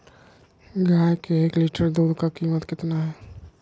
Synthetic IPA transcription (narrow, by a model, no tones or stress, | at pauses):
ɡaːjkeeːkliʈəɾd̪uːd̪kakiːmət̪kɪt̪naɦɛː